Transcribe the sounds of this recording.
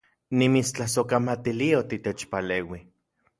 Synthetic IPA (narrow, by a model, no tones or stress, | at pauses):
nimit͡st͡ɬahsokamat̪iliaot̪it̪et͡ʃpaleːwi